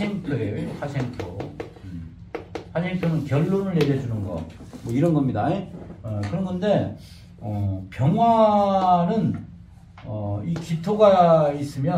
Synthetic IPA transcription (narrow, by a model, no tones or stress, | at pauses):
eŋtʰoeejoɸasʰeŋtʰo | ɸasʰe̞ŋtʰonɯnkjʌɭːonɯɭːe̞ɾjʌd͡ʑunɯnɡʌ̰ | mwʌiɾʌnɡʌmɲidaekɯɾʌnɡʌnde̞ | ʌpjʌŋɦwa | nɯn | ʌikitʰoɡais͈ɯmjʌ